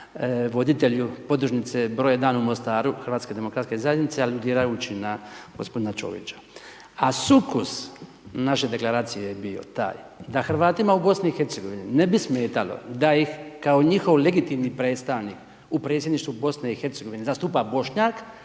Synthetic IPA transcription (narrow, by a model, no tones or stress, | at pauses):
ʋo̞d̪it̪e̞ʎupo̞d̪ɾuʒnit̪sebɾo̞ːjed̪aːnumost̪aːɾuxəɾʋaːt̪ske̞d̪e̞mo̞kɾat̪ske̞zajed̪nit̪sealud̪iːɾajut͡ɕinaɡ̥ospo̞d̪inat͡ʃo̞̰ːʋḭt͡ʃḁ | asukus | naʃed̪e̞klˠaɾaːt̪sijejebio̞̰t̪a̰ːjd̪axɾ̩ʋaːt̪imaubo̞sniixe̞ɾt̪se̞ɡo̞ʋininebisme̞ːt̪alo̰d̪aixkaoɲixo̞ʋle̞ɡit̪imnipɾe̞ːt̪st̪aʋnik | upɾet̪sjed̪niʃt̪ʋubo̞sneixeɾt̪seɡo̞ʋinezast̪uːpabo̞ʃɲak